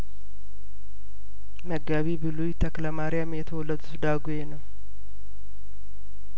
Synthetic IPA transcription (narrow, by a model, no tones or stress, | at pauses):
məɡːaβibɨlujt̪ʰəkləmaɾɪjamjɛt̪ʰəwɔlːəd̪usɨd̪aɡjenəw